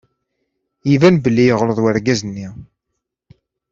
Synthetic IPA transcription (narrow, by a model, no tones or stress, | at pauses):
jivænbəlːijəʁləðˤwaɾɡæzənːi